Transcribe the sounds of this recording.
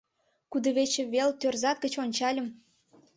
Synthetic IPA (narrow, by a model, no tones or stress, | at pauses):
kud̪ə̆βet͡ɕĕβelt̪ørzɑt̪̚ɡə̆t͡ɕonʲt͡ɕɑlʲəm